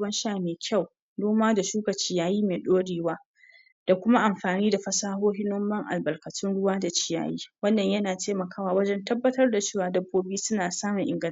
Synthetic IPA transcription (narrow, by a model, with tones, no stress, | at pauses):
ɐ˦nʃaː˦˨meː˨kʲa˦˨w | noː˦maː˦da˨ʃuː˦kɐ˨t͡ʃɪ˦jaː˦jiː˦meː˨ɗoː˦ɽeː˨waː˦ | d̥a˨kʷʊ˦ma˦ʔa˨mɸaː˨niː˦da˨ɸɐ˦saː˦ɦoː˦ɦɪ˦noː˦mɐ˦ŋʔa̰˨lbɐ˨rkɐ˨tʊ˦nɽʊ˦waː˦da˨t͡ʃɪ˨ja̰ː˨jḭː˦wɐ˦nːɐ˨ɲjɐ˦naː˨teː˦mɐ˨kaː˦waː˨wɐ˦d͡ʒɛ˦ntɐ˦bːɐ˦tɐ˦rda˨t͡ʃeː˦˨waː˨dɐ˦bːoː˦biː˦sʊ˦naː˨saː˦mʊ˨ŋʔɪ˨ŋɡɐ˦˨